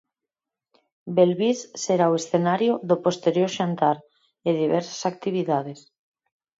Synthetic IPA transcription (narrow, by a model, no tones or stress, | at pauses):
belβisːeɾaoesθenaɾjoðopost̪eɾjoɾʃant̪aɾ | eðiβɛɾsḁsak̚t̪iβ̞iðað̞es